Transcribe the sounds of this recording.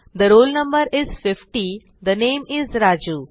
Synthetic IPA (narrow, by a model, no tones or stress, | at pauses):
d̪əɾoːlnə̃mbəɾɪz̥fɪfʈi | d̪ənẽːmɪzɾaːd͡ʒu